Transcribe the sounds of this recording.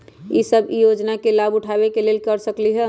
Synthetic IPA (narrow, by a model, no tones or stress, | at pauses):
isəbijod͡ʒnakelabʊʈʰabekelelkəɾsəkliɦɛ